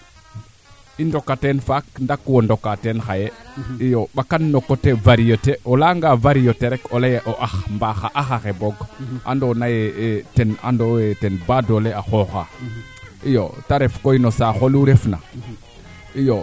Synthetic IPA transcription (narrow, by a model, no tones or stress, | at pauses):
indokːatenfakndakwondokːatenxajeijoɓakanːokotevaɾijoteolaŋɡavaɾijoteɾekolejeʔoʔaxmbaxaʔaxaxeboɡʔa̰ndonajeetena̰ndoetenbadoleaxoxa | ijo̰taɾefkoinosaxoluɾefna̰ | ijo